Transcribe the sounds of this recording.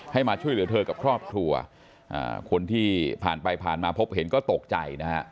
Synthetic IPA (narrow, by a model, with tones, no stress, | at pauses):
ha˥˩jmaː˧t͡ɕʰu˥˩əjlɯ˩˦t̪ʰɤː˧ka˨˩p̚kʰɾɔː˥˩p̚kʰɾu˧ɐ | ʔa̰ː˨˩kʰo˧nt̪ʰiː˥˩pʰa̰ː˨˩npa˧jpʰaː˨˩nmaː˧pʰo˦˥p̚ɦe˩˦nkɔː˥˩t̪o˨˩k̚t͡ɕa̰˧jna˦˥ha˦˥